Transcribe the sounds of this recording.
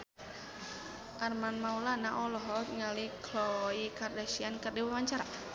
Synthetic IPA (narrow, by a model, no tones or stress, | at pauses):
ʔarmanmaulanaʔɔlɔɦɔŋalikʰlɔikardasiankərdiwawaɲt͡ʃaɾa